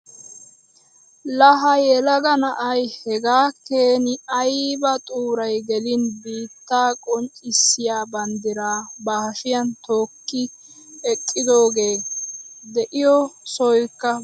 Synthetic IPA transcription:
lɐɦɐjɛlɐɡɐnɐʔɐjhɛɡaːkeːnɪɐjbɐt̪ʼuːɾɐjɡɛlɪnbiːt̪ːaːkʼɔnt͡ʃʼɪsːɪjaːbɐnd̪ɪɾaːbahɐʃɪjɐnt̪o̞ːkːɪ | ɛkʼːɪd̪o̞ːɡe̞ː | d̪ɛʔɪjɔsɔjkːɐ

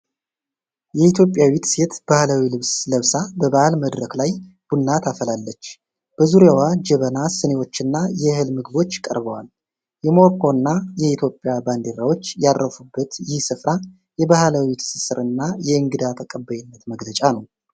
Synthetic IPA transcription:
jɛit̪ʰjo̞pʼjawit̪se̞t̪b̥ahlawilɨβsləβsabəbaʔalməd̪ɾəklaj | b̥unːat̪ʰafəlalːət͡ʃː | b̥əzuɾjawad͡ʒɛβənasɨnewo̞t͡ʃːɨnːajɛhɨlmɨɡɨβo̞t͡ʃːkʼə̰ɾbəwal | jɛmo̞ɾkʰo̞nːajɛit̪ʰjo̞pʼːjaband̪e̞ɾawo̞t͡ʃːjad̪ɾəfubːət̪jɪhsɨfɾa | jɛbahlawit̪ʰɨ̥sɨsɨɾɨnːajɛɨŋɡɨd̪at̪ʰəkʼəbːəjɪnːət̪məɡlət͡ʃʼanəw

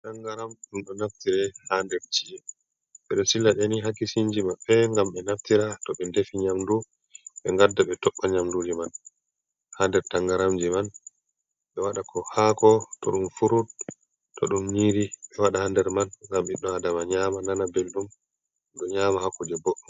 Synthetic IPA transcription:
taŋɡaɾamɗumɗɔnaftiɾɛhandɛɾt͡ʃiɛ | ɓɛɗɔsilːaɗɛniɦakːisiɲd͡ʒimaɓɛŋɡamɓɛnaftiɾatɔɓɛndefiɲamdu | ɓɛŋɡadːaɓɛtɔɓːaɲamdud͡ʒiman | handɛɾtaŋɡaɾamd͡ʒiman | ɓɛwaɗakʰɔhakɔtɔɗumfuɾut̚ | tːɔ̰ɗumɲiːɾiɓɛwaɗahandɛɾmanŋɡamɓɛɗɔadamaɲamananabelɗum | ɗɔɲaːmahakːud͡ʒɛbɔɗɔ

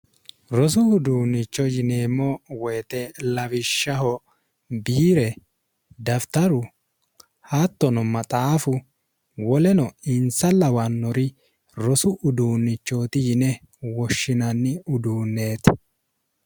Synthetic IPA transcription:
ɾɔsʊʊd̪uːnːɪt͡ʃːɔd͡ʒɪneːmːɔwɔjt̪ɛlɐvɪʃːɐɦɔ | biːɾɛ | d̪ɐft̪ɐɾʊ | hat̪ːɔnɔmɐt̪ʼaːfʊ | wɔlɛnɔɪnsɐlːɐwɐnːɔɾɪ | ɾɔsʊʔʊd̪uːnːɪt͡ʃːoːt̪ɪjɪnɛ | wɔʃːɪnɐnːɪʊd̪uːnːe̞ːt̪

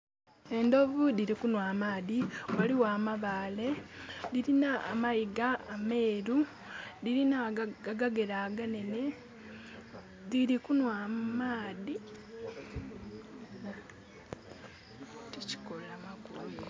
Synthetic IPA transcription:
e̞ndo̞vuðiɾikunwaːmaːðiowaliwaːmaβaːle̞ðiɾina̰ːmajiɡaːme̞ːɾu | ðiɾinaaɡaɡe̞ɾaɡane̞ne̞ | ðiɾikunwaːmaːði | tici̥kolamakulume

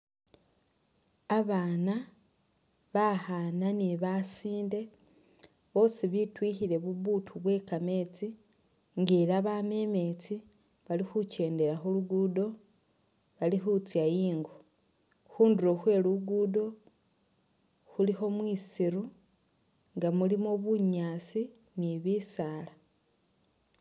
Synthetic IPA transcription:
aβaːna | βahananiβasiːnde̞ | βo̞ːsiβitwiçiɾe̞βuβutʰuβwe̞kame̞t͡si | ŋɡeːɾaβame̞me̞t͡si | βalixuce̞ːnde̞ɾaxuluɡuːdo̞ | βalixut͡sjajiːŋɡo | xuːnduɾo̞xwe̞luɡudo̞ | xulixo̞mwiːsiɾu | ŋɡamulimoβuɲaːt͡si | niβisala

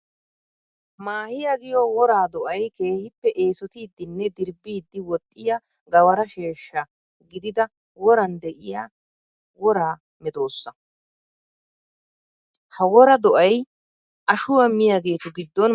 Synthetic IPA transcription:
maːhɪjaɡɪjɔwɔɾaːd̪ɔʔɐjke̞ːhɪpːɛʔe̞ːsɔt̪iːd̪ːɪnːɛd̪ɪɾbːiːd̪ːɪwɔt̪ʼːɪjɐ | ɡɐwɐɾɐʃe̞ːʃːɐ | ɡɪd̪ɪd̪ɐ | wɔɾɐnd̪ɛʔɪja | wɔɾaː | mɛd̪o̞ːsːɐ | hɐwɔɾɐd̪ɔʔɐj | ʔɐʃʊwɐmɪjaɡe̞ːt̪ʊɡɪd̪ːɔn

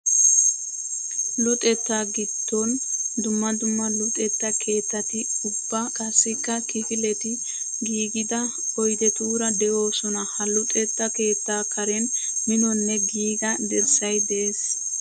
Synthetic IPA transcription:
lʊt̪ʼɛt̪ːaɡɪd̪ːɔnd̪ʊmːɐd̪ʊmːɐlʊt̪ʼɛt̪ːɐkʰe̞ːt̪ːɐt̪ɪʊbːɐkʼɐsːɪkːɐkɪfɪlɛt̪ɪ | ɡiːɡɪd̪ɐ | ɔjd̪ɛt̪uːɾɐd̪ɛʔo̞ːsɔnɐhɐlʊt̪ʼɛt̪ːɐke̞ːt̪ːaːkɐɾɛnmɪnɔnːɛɡiːɡɐd̪ɛɾsɐjd̪ɛeːs

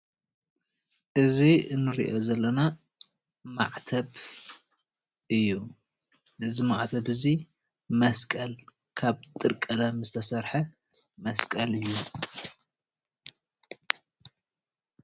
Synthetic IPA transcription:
ʔɨziɨnːɨɾḭʔo̞zɐlːɐna | ma̰ʕt̪ʰɐb | ʔɨjːu | ʔɨzimaʕt̪ʰɐbɨzi | mɐskʼɐl | kʰaβt̪ʼɨɾkʼɐlɐmɨzɨt̪ʰɐsɐɾħɐ | mɐskʼɐlɨjːu

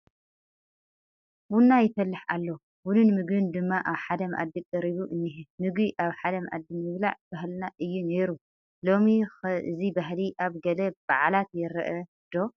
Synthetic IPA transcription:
wunːajɪfɐlːɨħa̰lːo | wunɨnmɨɡbɨnd̪ɨmːaʔaβħad̪ɐmʔa̰d̪ːikʼɐɾiβuʔɨnːiħimɨɡbiʔaβħad̪ɐmʔa̰d̪ːimmɨβlaʕbahlnaʔɨjːune̞ɾu | lo̞mixɨzibaɦliʔaβɡɐlɐb̥aʕlat̪jɛɾɐ̰ʔɐ | d̪̥o̞

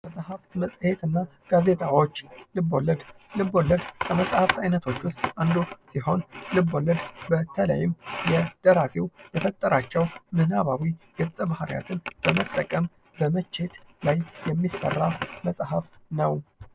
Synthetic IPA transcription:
məsʼhaft̪ɨməsʼhet̪ɨnːa | ɡ̥aze̞t̪ʰawo̞t͡ʃːlɨbːo̞ləd̪ | lɨbːo̞ləd̪kʰəməsʼhaft̪ʰajnət̪ʰo̞t͡ʃːʊst̪and̪osiho̞nlɨbːo̞ləd̪bət̪ʰələ̰jɪmjɛd̪̥əɾasewjɛfət̪ʼːəɾat͡ʃːɛwmɨnaβawiɡɨsʼəbahaɾja̰t̪ʰɨnb̥əmət̪ʼːəkʼəm | bəmət͡ʃːe̞t̪lajjːɛmːisə̰rːaməsʼhafnəw

